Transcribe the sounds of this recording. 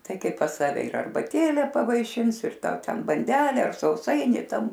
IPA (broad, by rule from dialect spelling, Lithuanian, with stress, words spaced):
ˈtɐɪ ˈkɐɪ pɐs ˈsɑːʋʲɛ ɪr ɐrbɐˈtʲeːlʲɛ pɐʋɐɪˈʃʲɪns ɪr ˈtɐʊ ˈtʲɛn bɐnʲˈdʲæːlʲɛ ˈɐr sɐʊˈsɐɪnʲɪ ˈtɐm